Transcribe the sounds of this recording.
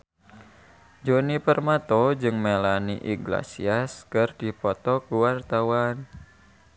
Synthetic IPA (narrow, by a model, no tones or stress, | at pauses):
d͡ʒonipərmat̪ɔd͡ʒɨŋmelaniʔḭɡla̰sḭaskɨrd̥ipɔt̪ɔkuwart̪awan